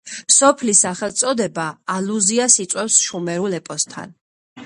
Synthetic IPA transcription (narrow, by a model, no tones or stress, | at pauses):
sɔpʰlisaχɛlˠt̪sʼɔd̪ɛbaːluziasit̪sʼwɛfsʃumɛɾulɛpʼɔst̪ʰa̰n